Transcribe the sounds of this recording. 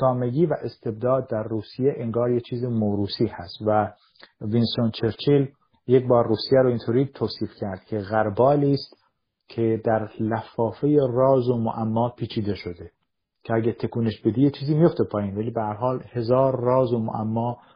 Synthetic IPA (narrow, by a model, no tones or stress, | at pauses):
ɡ̥ɒːme̞ɡiːvæʔest̪ʰe̞b̚d̪ɒːd̪̚ːæɾːuːsijeʔeŋɡɒːɾjet͡ʃʰiːzemoːɾuːsiːhæst̪væ | vinsont͡ʃʰeɾt͡ʃʰil | jecbɒːɾːuːsijæɾoint̪ʰoːɾiːt̪ʰoːsiːfcʰæɾd̪̥cʰeɣæɾbɒːliːst̪ | cʰed̪æɾlæfɒːfejerɒːzomoʔæmːɒːpʰiːt͡ʃʰiːd̪e̞ʃod̪e | cʰeæɡæt̪ʰe̞kʰuːneʃbed̪iːjet͡ʃʰiːziːmijo̞ft̪epʰɒːjiːnvæliːbehæɾɦɒːlhe̞zɒːɾːɒːzomo̰ʔæ̰mːɒː